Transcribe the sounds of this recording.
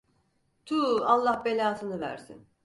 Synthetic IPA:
t̪ʰuːalˠːahbelʲaːt̪ʰɯnɯvæ̰ɾsḭn

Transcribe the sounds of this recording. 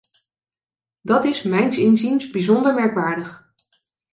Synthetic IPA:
dɑtɪsmɛjnsɪnzinsbizɔndəɹmɛɹkʋaːɹdəχ

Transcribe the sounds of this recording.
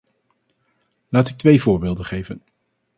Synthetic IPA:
laːtɪk̚tʋejvʊːɹbɪːlˠdəχejvən

